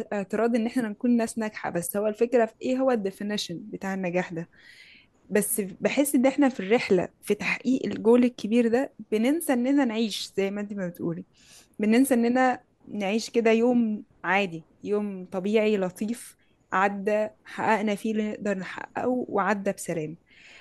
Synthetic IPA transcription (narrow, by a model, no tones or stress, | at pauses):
ʔeʕt̪ɨɾˤɑːd̪ʔenːʔeħnæænækuːnːæːsnæɡħa̰bæsːhowːælfekɾæʔeːɦowːæd̪ːefeneʃænbet̪aːʕenːæɡæːħd̪æ | bæsːbeħesːʔenːʔeħnæfirːeħlæ̰fit̪ḁħʔiːʔelɡoːlekʰːebiːɾd̪æb̥enensæʔenːʔænænʕiːʃz̥æjmænd̪iːmæbet̪ʔṵːli | benensæʔenːʔænæ | neʕiːʃked̪æjoːm | ʕaːd̪i | joːmt̪ˤɑbiːʕilɑt̪ˤiːf | ʕad̪ːæħa̰ʔæʔnæfiːleneʔd̪ɑɾˤneħa̰ʔæ̰wweʕad̪ːæbsælæːm